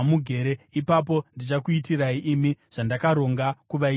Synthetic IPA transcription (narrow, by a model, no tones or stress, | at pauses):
muɡʱe̞ɾeipap̬o̞ndit͡ʃakuitiraiʔimiʐ̥andakaɾo̞ŋɡakuʋai